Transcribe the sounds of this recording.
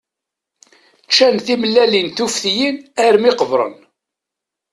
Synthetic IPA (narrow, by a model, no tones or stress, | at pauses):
t͡ʃːænθiməlːælinθufθjinæɾmiqəvɾˤə̰n